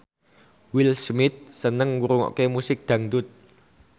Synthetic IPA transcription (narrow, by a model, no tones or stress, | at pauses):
wɪlsmɪt̪̚sənəŋwuɾuŋɔ̰ʔkemusɪk̚d̪̥ä̤ŋd̪ʊt̪̚